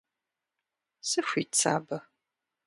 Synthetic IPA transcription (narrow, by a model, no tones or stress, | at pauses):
sɨxʷit͡sʰa̰ːbɐ